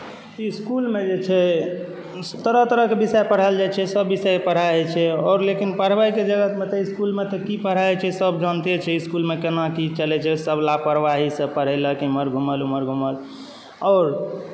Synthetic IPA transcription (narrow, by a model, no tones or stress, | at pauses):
iskulmed͡ʒet͡ʃʰɛ | t̪əɾəɦt̪əɾəɦkebisɛjpəɽ̤ald͡ʒajt͡ʃʰɛsəbːisɛpəɽ̤aɛt͡ʃʰɛɔːɾlekinpəɽ̤ʋajked͡ʒəɡət̪met̪eiskulmet̪ɔkipəɽ̤ajt͡ʃʰɛsəbd͡ʒənt̪et͡ʃʰɛiskulmekenakit͡ʃəlɛt͡ʃʰɛsəbʱlapəɾʋaɦisə̃pəɽ̤ələkiməɾɡʱuməluməɾɡʱuməl | ɔɾ